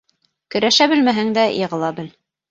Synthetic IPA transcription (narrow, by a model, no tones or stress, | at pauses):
kɵ̆ɾæʃæbɘ̆lmæɦɘŋd̪æjɤ̆ʁɤ̆lˠɑbɘl